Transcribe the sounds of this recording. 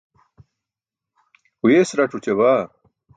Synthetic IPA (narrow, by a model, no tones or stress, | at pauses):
ujesɾɐʈ͡ʂut͡ɕeβaː